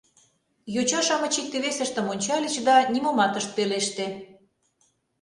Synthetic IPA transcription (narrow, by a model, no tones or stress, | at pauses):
jot͡ɕɑʃɑmə̆t͡ɕik̚t̪eβesə̆ʃt̪ə̆monʲt͡ɕɑlʲit͡ɕd̪ɑnʲimomɑt̪əʃt̪̚peleʃt̪e